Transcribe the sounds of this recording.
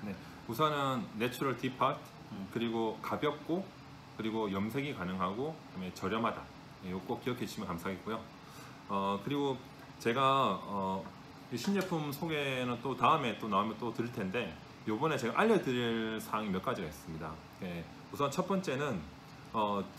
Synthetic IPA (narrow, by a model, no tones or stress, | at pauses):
ne̞ | usʰʌnɯnːet͡ɕʰuɾʌɭtipʰatʰ | kɯɾiɡokabjʌk̚k͈o | kɯɾiɡojʌmsʰe̞ɡikanɯŋɦaɡoamet͡ɕʌɾjʌmɦada | jejok͈ok͈ijʌkʰeɕʰimjʌkamsʰaɡet̚k͈ujo | ʌkɯɾiɡo | t͡ɕe̞ɡaʌ | ɕʰind͡ʑe̞pʰumsʰoɡe̞nɯnt͈otaɯme̞t͈onaumjʌnt͈otɯɾɯɭtʰe̞nde̞ | jobʌne̞t͡ɕe̞ɡaʔaʎːedɯɾiɭsʰaŋimjʌk͈̚ad͡ʑiɡaɦes͈ɯmɲida | je | usʰʌnt͡ɕʰʌt̚p͈ʌnt͡ɕ͈e̞nɯn | ʌ